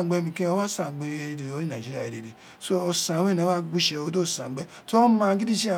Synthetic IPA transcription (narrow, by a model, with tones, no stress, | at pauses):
ɡ͡be˧˦mĩ˨kẽ˦o˦wa˦sã˨ɡ͡be˧˨˦de˨o˦i˦nã˨d͡ʒi˦ɾi˦a˨e˨de˨de˨ | so˦ɔ˧sã˨˦we˦˨nã˨˦a˦ɡ͡bu˦ʃɛ˧o˦do˦˨sã˨˦ɡ͡bɛ˦ | to˦ɔ˦mã˦ɡi˦di˦ʃi˦a˨